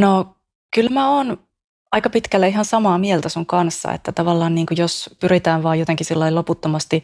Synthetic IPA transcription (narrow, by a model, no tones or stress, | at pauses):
no | kylmæoːn | ɑikɑpit̪kælːæihɑnsɑmɑːmielt̪æsuŋkɑnsːɑ̰ḛt̪ːæt̪ɑʋɑlːɑːnniːŋkujospyrit̪æːʋʋɑːjot̪eŋkisilːɑiloput̪ːomɑst̪i